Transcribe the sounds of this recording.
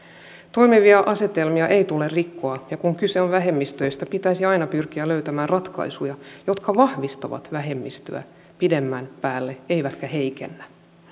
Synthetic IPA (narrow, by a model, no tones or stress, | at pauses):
t̪o̞jmiʋiɑʔɑse̞t̪elmiɑʔe̞jt̪ulerrikːo̞ɑjɑkuŋkyseonʋæɦe̞mːist̪øist̪æpit̪æisiɑinɑpyrk̟iæløyt̪æmæːnrɑt̪kɑ̰jsujɑjo̞t̪kɑʋɑhʋist̪oʋɑ̰t̪ʋæɦe̞mːist̪ø̰æ̰ | pide̞mːænpæːlːee̞jʋæt̪kæhe̞ikenːæ